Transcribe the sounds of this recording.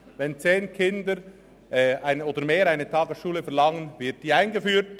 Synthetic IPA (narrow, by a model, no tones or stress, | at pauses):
vɛnt͡seːnkʰɪndəɾ | ʔɛaɪnoːdəɾmeːɾaɪnətʰɑːɡəsʃuːləfɛɐɾlɑŋənvɪɐt̚d̥iːaɪnɡəfyːɾt